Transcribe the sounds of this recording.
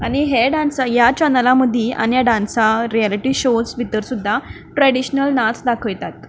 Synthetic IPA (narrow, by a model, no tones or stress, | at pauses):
aɽ̃iɦeɖansajat͡ɕənəlaməd̪ʱːiʔa̰ñijaɖansaɾialiʈiɕosʋit̪əɾsud̪ʱːa | ʈɾɛɽiɕnəlnat͡sd̪akʰəjt̪at̪̚